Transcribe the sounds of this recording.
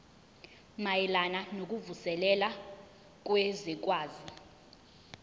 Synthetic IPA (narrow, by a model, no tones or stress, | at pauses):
majɛlananok̬ʼuvusɛlɛla | k̬ʼwezik̬ʼwaːzi